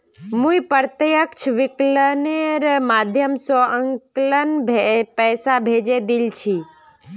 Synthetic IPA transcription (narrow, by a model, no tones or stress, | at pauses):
mũipəɾt̪jəkt͡ʃʰʋɪkləneɾmaːd̪ʱjəmsɔəŋklənbʱpɛːsabʱed͡ʒed̪ilt͡ʃʰi